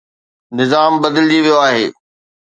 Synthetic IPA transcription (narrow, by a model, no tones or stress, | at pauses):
nɪzaːmbɐd̪əld͡ʑiʋijoaːɦeː